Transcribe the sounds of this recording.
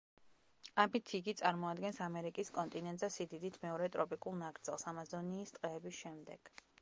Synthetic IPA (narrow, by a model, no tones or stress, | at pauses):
amit̪ʰiɡit̪sʼaɾmɔad̪ɡɛnsamɛɾikʼiskʼɔnt̪ʼinɛnt̪ʼzasid̪id̪it̪ʰmɛɔɾɛt̪ʼɾɔpʼikʼulˠnaɡɾd̪zɛlˠsamazɔniːst̪ʼqʼɛːbisʃɛmd̪ɛɡ̥